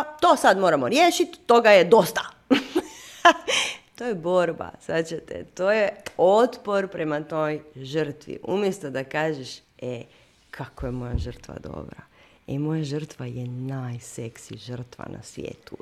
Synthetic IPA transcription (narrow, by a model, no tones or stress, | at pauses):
t̪oːsad̪moːɾamo̞ɾjeːʃit̪ːo̞ɡajed̪o̞st̪a | t̪o̞ːjebo̞ɾba̰sat͡ɕet̪ḛt̪oːjeot̪po̞ɾpɾe̞mat̪o̞ːjʒər̩t̪ʋḭʔṵmjest̪od̪akaːʒeʃe | kʰakojemo̞jaʒər̩t̪ʋa̰d̪o̞̰bɾa | emo̞jaʒr̩t̪ʋajenajseksiʒərt̪ʋa̰na̰sʋʲjḛːt̪u